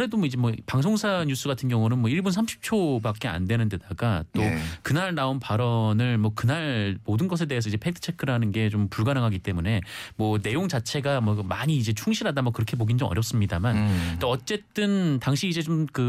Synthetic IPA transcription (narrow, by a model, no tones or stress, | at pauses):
ɾe̞domʌid͡ʑemwʌpaŋsʰoŋsʰaɲus͈ɯɡatʰɯnɡjʌŋunɯnmwʌiɭbunsʰamɕʰi̥p̚t͡ɕʰobak͈e̞a̰ndwe̞nɯnde̞daɡat͈okɯnaɭnaonpaɾʌnɯɭmwʌkɯnaɭmodɯnɡʌs̬ʰe̞de̞ːsʰʌid͡ʑe̞pʰedʰɯ̥t͡ɕʰe̞kʰɯɾɦanɯnɡe̞t͡ɕompuɭɡanɯŋɦaɡit͈e̞mune̞mwʌne̞joŋt͡ɕat͡ɕʰe̞ɡamwʌmaɲiːd͡ʑe̞t͡ɕʰuŋɕʰiɾɦadamʌkɯɾʌkʰe̞poɡind͡ʑʌmʌ̰ɾjʌp̚s͈ɯmɲidamant͈oʌt͡ɕ͈e̞t͈ɯntaŋɕʰiːd͡ʑe̞t͡ɕomkɯ